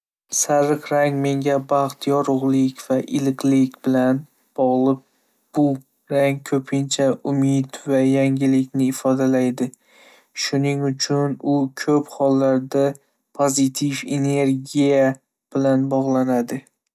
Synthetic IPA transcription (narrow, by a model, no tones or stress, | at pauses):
saɾɨqɾaŋme̞ŋʲabɑχt̪jɒɾʊʁlˠɪkʲv̥aʔɪlɨqlɪkʲbɪlan | b̥ɒʁlˠɪp̚ | b̥ʊ | ɾaŋkʰɵpʰɪnt͡ʃʰaʔʊmɪd̪vajaŋɡʲɪlɪkʲnɪːfɒd̪alajd̪ɪ | ʃʊnɪŋʊt͡ʃʰʊnʊkʲʰɵphɒlːaɾd̪a | pʰozɪt̪ʰife̞ne̞ɾɡʲija | b̥ɪlanbɒʁlˠanad̪ɪ